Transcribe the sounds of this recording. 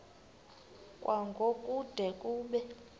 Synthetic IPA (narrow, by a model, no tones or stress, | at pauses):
kʼwaŋɡʱokʼud̥ʱɛkʼuːɓɛ